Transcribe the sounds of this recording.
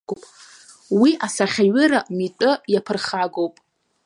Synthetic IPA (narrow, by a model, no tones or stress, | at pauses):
pʼ | wiʔasaχʲaɥɪɾamitʼɨjapʰɨrχaɡowpʼ